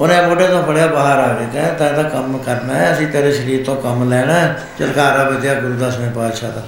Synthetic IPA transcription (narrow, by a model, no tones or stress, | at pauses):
ʊnẽːmoːɖẽːt̪õːbəɽjaːbaːɦəɾaːɡɾeːkãːt̪ãd̪aːkəmkəɾnaːɛːəsĩːt̪eːɾeːʃəɾiːɾt̪õːkəmlɛːɽaːɛ | t͡ʃə̰lkaːɾaːbət͡ʃjaːɡʊɾuːd̪asmẽːpaːd̪ʃaːd̪aː